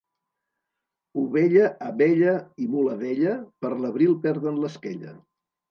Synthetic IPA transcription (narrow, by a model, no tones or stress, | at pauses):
uβɛʎəʔːβɛʎəimuləðɛʎəpəɾləβ̞ɾilˠpɛɾðənləskeʎə̰